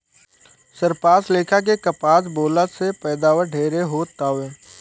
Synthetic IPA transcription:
səɾpaːsleːkʰak̬ekəpaːsboːlasepɛːd̪aːʋəɖʱeːɾeɦoːt̪aːʋẽː

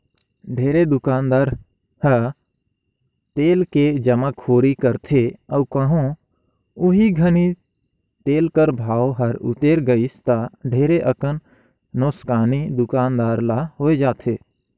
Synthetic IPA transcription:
ɖʱeːɾed̪ʊkaːnd̪aːɾ | hə | t̪eːlked͡ʒəmakʰːoːɾikəɾt̪ʰeəːkəɦõ | ʊɦiɡʱəni | t̪eːlkəɾbʱaːoɦəɾʊ̰t̪eːɾɡəɪst̪aɖʱeːɾeʔəkənː | oːskaːnid̪ʊkaːnd̪aːɾlaɦoːed͡ʒaːt̪ʰeː

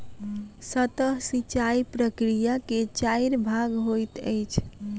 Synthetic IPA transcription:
sət̪əɦsit͡ʃaipɾəkɾijaket͡ʃajɾbʱaɡɦojt̪əjt͡ʃʰ

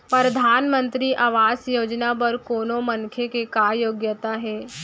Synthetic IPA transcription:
pɾɐd̪ʱaːnmə̃nt̪ɾiʔaːʋaːsjoːd͡ʒnapɐɾkoːnõmɐnkʰjekekaːjoːɡjət̪aɦɛː

